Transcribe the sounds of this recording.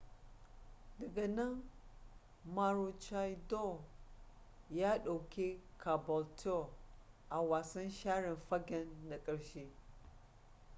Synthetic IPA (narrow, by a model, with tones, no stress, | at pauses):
də˨ɡa˨na˦ŋ | ma˨ɾu˨t͡ʃa˨jdo˦ | ja˦ɗa˨wki˦kʰa˨bɔ˨ltʰo˦˨ | ʔa˨wa˨si˦nʃa˦ɾi˨nfa˦ɡɛ˦nːa˨kʼi˨ɾʃi˦